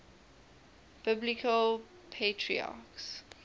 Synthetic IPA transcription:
b̥ɪblikʰəl | pʰetʰɹḭa̰ks

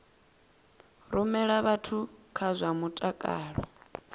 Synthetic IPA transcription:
ɾumɛɺaβatʰukʰazʷamutʼakʼa̰ːɺɔ

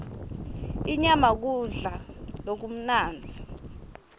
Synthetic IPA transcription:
iɲamak̬uɮalok̬um̩naːnd͡zʱi

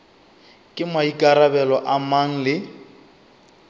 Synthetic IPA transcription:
kʼɪmaikʼaɾabɛlɔʔamaŋ̩lɪ

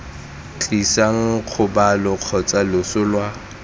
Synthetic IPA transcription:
t͡ɬʼisaŋ̩q͡χʰʊbalʊq͡χʰɔt͡sʼalʊsʊlwa

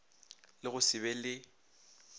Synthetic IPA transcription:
lɪɣʊsɪbɛlɪ

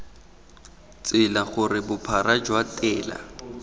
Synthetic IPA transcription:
t͡sʼɪlaχʊrɪbʊpʰarad͡ʒwatʼɛːla̰

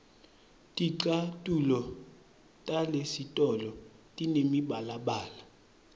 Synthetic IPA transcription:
tʼiǀatʼulɔ | tʼalesitʼɔlɔtʼinemiɓalaɓaːla

